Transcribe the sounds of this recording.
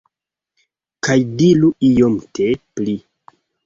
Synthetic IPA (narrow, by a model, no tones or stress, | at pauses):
kajdiluijomtepli